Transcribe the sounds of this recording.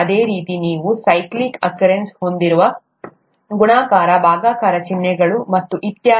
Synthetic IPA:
ɐd̪eːɾiːt̪iniːʋusɐjklikɐkjɐɾensho̞nd̪iɾuʋɐ | ɡuɳaːkaːɾɐbʱaːɡaːkaːɾɐt͡ʃinːɛɡɐɭumɐt̪ːuʔit̪jaː

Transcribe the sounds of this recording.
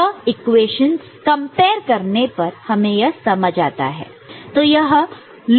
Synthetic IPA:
ɪkweːʃəns | kɐ̃mpeːɾkɐɾnepɐɾhɐmẽjɐɦsɐməd͡ʒa̰ːt̪a̰ɦɛ̰ː | t̪oːjɐɦ | l

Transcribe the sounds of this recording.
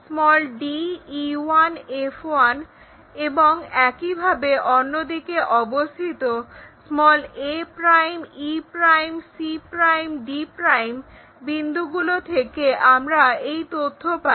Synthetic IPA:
smɔlɖiiwanefoan | eboŋɛkibʱabeʔonːod̪ikeʔɔbost̪ʰit̪osmɔlepɾajmipɾajmsipɾajmɖipɾajm | bind̪ʱuɡulot̪ʰekeʔamɾaejt̪ot̪ʰːopa

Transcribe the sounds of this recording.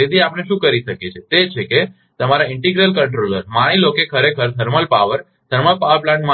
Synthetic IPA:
ed̪ʱiapɽ̃eʃũkəɾiʃəket͡ʃʰet̪et͡ʃʰeke | t̪əmaɾaɪɳʈiɡɾəlkəɳʈɾoləɾmaɽ̃ilokekʰəɾekʰəɾt̪ʰəɾməlpaʋəɾ | t̪ʰəɾməlpaʋəɾplãɳʈma

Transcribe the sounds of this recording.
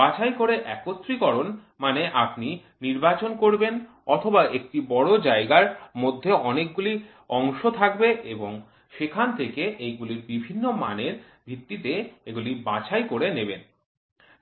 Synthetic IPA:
bat͡ɕajkoɾeʔɛkot̪ːɾikɔɾon | maneʔapni | niɾbat͡ɕonkoɾben | ɔt̪ʰobaek̚ʈibɔɽod͡ʑaeɡaɾmod̪ʱːeɔnek̚ɡuli | ɔŋʃot̪ʰak̚beʔeboŋ | ʃekʰant̪ʰekeʔejɡuliɾbibʱinːoma̰neɾ | bʱit̪ːit̪eeɡulibat͡ɕajkoɾeneben

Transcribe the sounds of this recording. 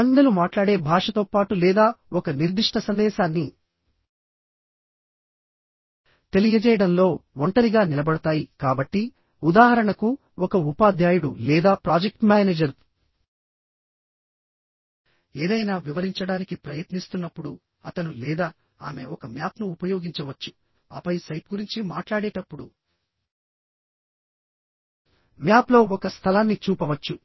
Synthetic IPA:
ɐnd̪ɐlumaːʈlaːɽe̞ːbʱaːʂɐt̪o̞ːpaːʈulɛːd̪aːɔkɐniɾd̪iʂʈɐsɐnd̪ɛːʃaːnːi | t̪e̞lijɐd͡ʒɛːjɐɽɐmlo̞ːɔɳʈɐɾiɡaːnilɐbɐɽɐt̪aːjikaːbɐʈːi | ud̪aːɦɐɾɐɳɐku | ɔkɐupaːd̪ʱjaːjuɽṵlɛːd̪aːpɾaːd͡ʒek̚ʈmaːneːd͡ʒɐɾ | eːd̪ɐjnaːʋiʋɐɾiɲt͡ʃɐɽaːnikipɾɐjɐt̪nist̪unːɐpːuɽu | ɐt̪ɐnulɛːd̪aː | a̰ːme̞ɔkɐmjaːpnuːpɐjo̞ːɡiɲt͡ʃɐʋɐt͡ʃːu̥ | ɐ̰pɐjsɐjp̚ɡuɾiɲt͡ʃimaːʈlaːɽeːʈɐpːuɽu | mjaːplo̞ːɔkɐst̪ʰɐlaːnːit͡ʃuːpɐʋɐt͡ʃːu

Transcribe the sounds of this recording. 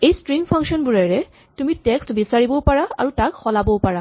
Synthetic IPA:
ejstɹiŋpʰaŋʃɔnbuɹaɹɛ | tumitɛkstbisaɹibɔpaɹaa̰ɹutakxɔlabɔpaɹa

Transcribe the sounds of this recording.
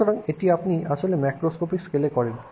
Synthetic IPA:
oɾaŋeʈiapniaʃolemɛkɾoskopikskelekɔɾen

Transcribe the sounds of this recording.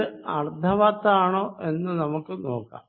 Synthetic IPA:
ɨɐrd̪ʱɐʋat̪ːaːɳo̞ːʔe̞nːɨnɐmukːɨno̞̰ːkːa̰ːm

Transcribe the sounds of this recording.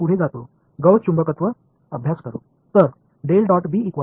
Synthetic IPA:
uɽ̤ed͡zat̪o | ɡəwt͡ɕumbəkət̪ʋə | əbʱjaskəɾṵ | t̪əɾ | ɖelɖɔʈbiːikʋa

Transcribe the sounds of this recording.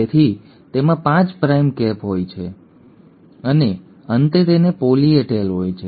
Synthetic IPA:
et̪ʰi | t̪emãpãt͡ʃpɾajmkɛpɦojt͡ʃʰe | əne | ənt̪et̪enepolieʈelɦojt͡ʃʰe

